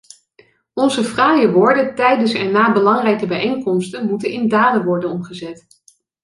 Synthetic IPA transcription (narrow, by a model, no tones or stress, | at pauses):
ɔnzəfraːjəʋʊːɹdəntɛjdənsɛnːaːbəlɑŋrɛjkəbɛjejŋkɔmstənmutənɪndaːdənʋɔɹdənɔmχəzɛt